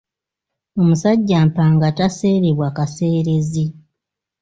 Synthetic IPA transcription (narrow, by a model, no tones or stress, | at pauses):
o̞musaɟːaːmpaːŋɡatase̞ːɾeβwakase̞ːɾe̞zi